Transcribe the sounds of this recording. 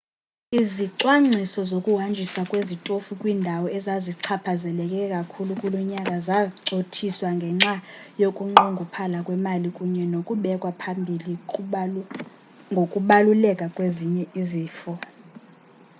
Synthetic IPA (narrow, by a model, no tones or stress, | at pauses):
iziǀwaŋ͡ǁʱisɔzokʼuɦand͡ʒʱisakʼwezitʼofukʼwiːndʱawɔɛzaziǀʰapʰazɛlɛkʼɛkʼakʰulukʼulɔɲakʼazaǁotʰiswaŋɡʱɛŋ͡ǁajokʼuŋ͡ǃoŋɡʱupʰalakʼwɛmalikʼuɲɛnokʼuɓɛkʼwapʰambʱili | ŋɡʱokʼuɓalulɛkʼakʼweziɲɛiziːfɔ